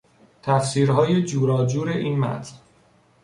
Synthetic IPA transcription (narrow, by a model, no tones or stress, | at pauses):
t̪ʰæfsiːɾɦɒːje̞d͡ʒuːɾɒːd͡ʒuːɾe̞ʔiːnmæ̰t̪ʰn